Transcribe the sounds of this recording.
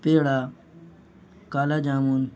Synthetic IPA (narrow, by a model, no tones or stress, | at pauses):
peːɽaː | kaːlaːd͡ʒaːmuːn